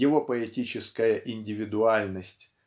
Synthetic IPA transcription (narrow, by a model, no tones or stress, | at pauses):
ɪvo̞pəɛtʲit͡ɕɪskəjəʔɪnʲdʲɪvʲɪd̪ʊalʲnəsʲtʲ